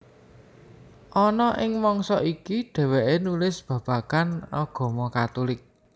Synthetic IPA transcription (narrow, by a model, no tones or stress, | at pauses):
ʔɔnɔʔɪŋmɔŋsɔ̰ʔikiɖ̥ɛ̤wɛʔenulɪsb̥ä̤b̥ä̤kanɔɡ̥ɔ̤mɔkat̪ulɪk̚